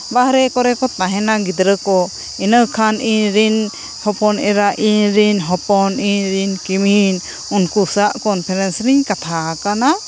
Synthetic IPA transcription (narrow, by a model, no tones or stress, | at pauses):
bahɾɛkɔɾɛkɔt̪aɦɛnaɡid̪ɾəkɔ | inəkʰaniɲɾin | hɔpɔnɛɾaʔiɲɾinɦɔpɔniɲɾinkimin | unkusaʔkɔnpʰɛɾɛnsniɲkat̪ʰakana